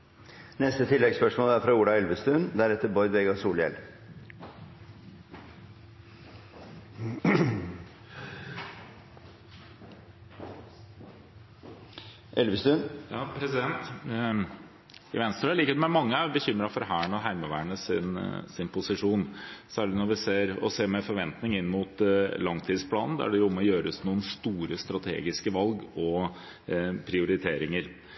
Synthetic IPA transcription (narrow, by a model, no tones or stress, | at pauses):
nɛst̪ət̪ʰɪlːɛɡspœʂmoːlæɾfɾɑuːɖɑɛlʋəst̪ʉnd̪ɛæɾɛt̪ːəɾbɔʏd̪ʋɛɡɑsuːljɛ̰l | ʔɛlʋəst̪ʉnjɑːpʰɾɛsɪd̪ɛnt̪ | ɪ̰ʋɛnst̪ɾɑliːkəd̪ɛmɛmɑŋːəbəçʏmːɾɑfɔɾɦæːəɳəɔɦæɪməʋæːəɳəsɪnsɪnpʰʊsɪʂuːnsæːɭɪnɔɾʋɪseːɾɔ̰seːmɛfɔɾʋɛnt̪nɪŋɪnːəmʊt̪lɑŋt̪ʰiːd̪spʰlɑːnn̩d̪ɛ̰æ̰ɖɛjʊʊmɔjøːɾəsnuːənst̪uːɾəst̪ɾɑt̪ʰḛːɡɪskəʋɑlɡɔ | pʰɾɪʊɾɪt̪ʰeːɾɪŋəɾ